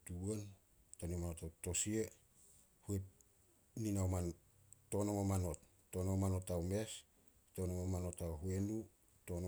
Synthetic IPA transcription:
tuen | tonimanotawto̞sie | hue | ninawman | o̞nomomano̞tː | onawmano̞tawme̞s | tonomomano̞tawɦuenu | to̞no

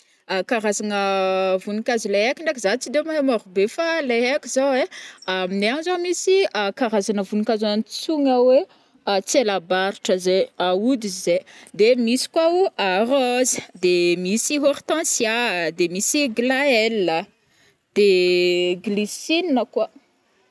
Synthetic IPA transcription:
akaɾazanəvunikazileakʲiɳɖ͡ʐekizat͡sid̪emaemoɾubefaleɦeakʲiz̥aweamineanzamisiakaɾazanəvunikaznt͡suŋawe | at͡sielabaɾiʈ͡ʂəzeaud̪ized̪emisi̥kwauarozə̥d̪emisiɦoɾit̪ãsjad̪emisiɡlaelːə | d̪̥eɡlisininəkwa

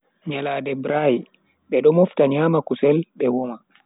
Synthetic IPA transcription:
ɲalaːdɛbɾaji | ɓɛɗɔmɔftaɲaːmakusɛlɓɛwɔma

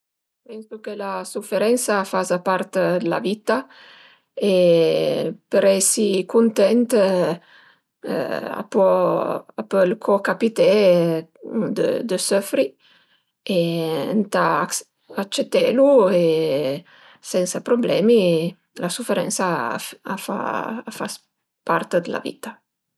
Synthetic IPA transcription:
pɛnsukelasufeɾɛnsafazapaɾt̪d̪la̰vit̪a | e | pəɾɛsikunt̪ɛnt̪ | a̰pɔapɔlkʰɔkapit̪ɛ | d̪ə̰d̪əsɔfɾi | ent̪a | at͡ʃːet̪ːɛlue | sɛnsapɾoblɛːmi | lasufeɾɛ̰nsa̰afa̰afa̰s | paɾt̪əd̪əla̰vḭt̪a

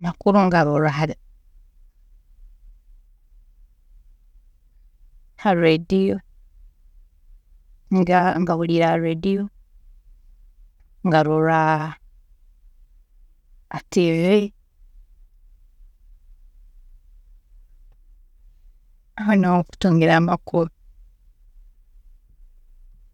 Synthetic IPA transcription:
nakuɾoŋɡaɾuɾaɦaɾi | haɾedio | ŋɡaŋɡaβuliɾaɾedio | ŋɡaɾuɾa | atie | ahanoku̥tuːŋɡeɾaːmakʰuβo

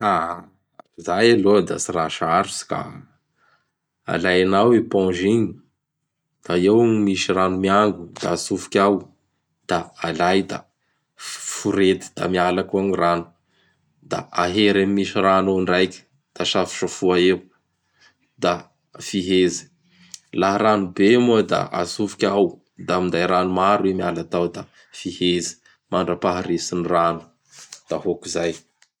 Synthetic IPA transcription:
a | zajalod̪a̰siɾaʃaɾusi̥ka̰ | a̰lajanawepɔ̃ʒiɲi | d̪̥aewmiʃiranumiaŋɡud̪̥a̰sufu̥kʲaw | d̪̥aːlajd̪a̰ | fuɾed̪i̥d̪̥a̰mialakuaɲiranu̥ | d̪a̰aɦeɾamimiʃiranoɳɖ͡ʐajkʲə̥ | d̪̥aʃafi̥ʃafuaeu | d̪a | fiɦezi̥ | laɦɾanubemuad̪a̰a̰zufikʲaw | d̪amind̪ajɾanumaɾuemialat̪awd̪a | fihezi̥ | maɳɖ͡ʐəpaɦaɾesiniranu̥ | d̪̥aɦokizaj

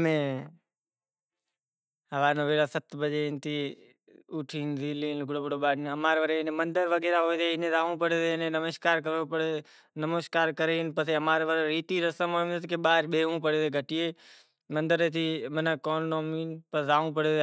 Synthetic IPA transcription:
mẽː | əʋaːnõːʋeːɽaːsət̪bəd͡ʒent̪ʰiː | ʊʈʰiːnɾiːliːnlɡɽoːbɽoːɓaːɽniəmaːɾeʋəɾeɪnẽːmənd̪əɾʋəɡeːɾaːɦoet̪ʰeːɪnẽːzaːũːpəɽeːt̪eːɪnẽːnəməʃkaːɾkəɾopəɽe | nəməskaːɾkəɾeːɦɪnpəseːəmaːɾeʋəɾeɾiːt̪iːɾəsəmɦoːmet̪keɓaːɾɓeːɦũːpəɽeːt̪eɡʱəʈijeː | mə̃nd̪əɾeːt̪ʰiːmənəkoːnːoːmiːnpəzaːũːpəɽeː

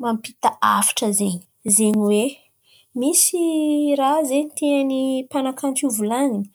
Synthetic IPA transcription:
mampit̪aa̰fi̥ʈ͡ʂəzeɲi̥ | zeɲiwe | misirazeɲit̪eanipanakanʈ͡ʂuvulaŋini̥

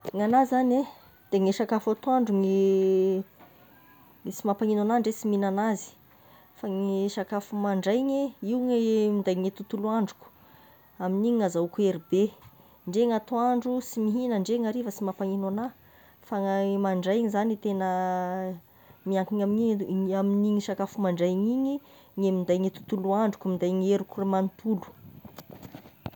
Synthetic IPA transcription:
ŋanazane | d̪̥eŋeʃakafat̪oaɳɖ͡ʐuŋi | simapaŋinanaɳɖ͡ʐesiminanazi̥ | faŋeʃakafumaɳɖ͡ʐajɲeiwŋemind̪ajŋet̪ut̪uluaɳɖ͡ʐu̥ku̥ | aminiɲŋazaukueɾibe | ɳɖ͡ʐeŋat̪uaɳɖ͡ʐusimiɦinəɳɖ͡ʐeŋaɾivəsimapaŋinana | faŋamaɳɖ͡ʐajŋizanit̪enə | miaŋkiɲamiɲiaminiŋiʃakafumaɳɖ͡ʐajɲiɲi | ŋemind̪ajŋet̪u̥t̪uluaɳɖ͡ʐukumind̪ajŋeɾukuremant̪ulu̥

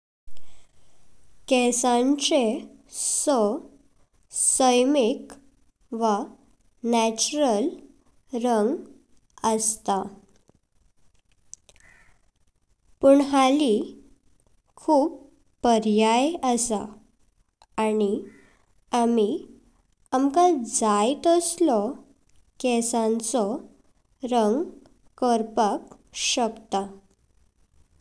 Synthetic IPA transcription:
kɛsãɲt͡ɕesɔ | səjmik | ʋa | næt͡ɕuɾəl | ɾəŋɡ | əst̪a | pəɳɦali | kʰuːpː | əɾjajəsa̰ | ani | ami | amkad͡zajt̪əslɔ | kɛsãnt͡sɔ | ɾəŋɡ | kəɾpak | ɕəkt̪a

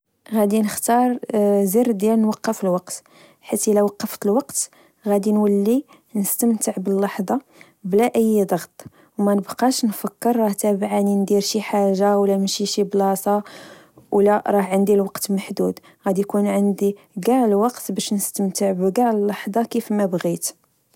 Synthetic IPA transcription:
ɣæd̪inəxt̪ɑɾˤziɾd̪jælnwɑqːəfəlwɑqt̪ | ħit̪ʔilæwɑqːəft̪əlwɑqt̪ | ɣæd̪inwəlːi | nəst̪əmt̪əʕbəlːɑħd̪ˤɑ | blæʔəjːd̪ˤɑɣt̪ˤ | wmænəbqɑʃnfəkːəɾːˤɑht̪æbʕanind̪iɾʃiħaʒːawlæmʃiʃiblɑsˤɑ | wlæɾˤɑhʕənd̪ilwɑqt̪məħd̪ud̪ | ɣæd̪ijkunʕənd̪i | ɡæʕlwɑqt̪bæʃnəst̪əmt̪əʕbɡæʕəlːɑħd̪ˤɑkifmæbɣit̪

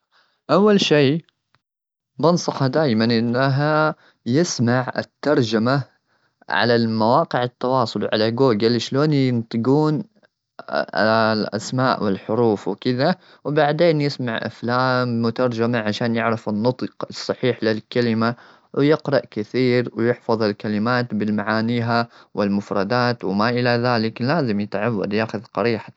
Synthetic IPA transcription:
ʔawːalʃiː | bɑnsˤɑxɑd̪aːjmanʔɪnːaɦa | jɪsmaʕɪ̰t̪ːɑɾˤd͡ʒama | ʕa̰lalmawɑːqɪʕɪt̪ːɑwɑːsˤʊlʕa̰laɡoːɡɪlʃloːnjɪnt̪ˤɨɡuːn | lʔa̰smaːʔwɪlħʊɾuːfwkɪða | wbaʕd̪eːnjɪsmaʕʔa̰flaːmːʊt̪ɑɾˤd͡ʒamaʕaʃaːnjɪʕɾɪfɪnːɑt̪ˤqsˤːɑħiːħlɪlkalɪma | wjɪqɾˤɑʔkɪθiːɾwɪjɪħfɑðˤalkalɪmaːt̪bɪlmaʕaːniːɦawɪlmʊfɾˤɑd̪aːt̪wɪmaʔɪlaðaːlɪklaːzɪmjɪt̪ʕawːa̰d̪jaːxʊðqɑɾiːħa

